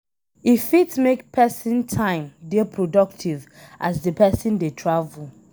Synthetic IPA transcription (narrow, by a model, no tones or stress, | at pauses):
ifitmekpʰɛsĩntʰãɪ̃mdepʰɹodɔk̚tʰiv | ʔasdəpʰɛsĩndetʰɹavul